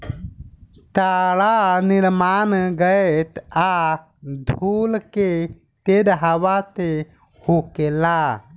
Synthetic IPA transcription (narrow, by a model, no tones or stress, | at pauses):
t̪aɽaniɾmaːnɡəet̪a | d̪ʱuːlke | t̪ed̪ɦaʋat̪e | hukela